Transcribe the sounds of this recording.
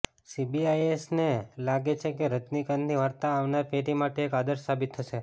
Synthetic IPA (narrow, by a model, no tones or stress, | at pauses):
sibiajesnelaɡet͡ʃʰekeɾət̪nikənniʋaɾt̪aːʋnaɾpeʈimaʈeːkad̪əɾʃsabit̪ʰːəʃe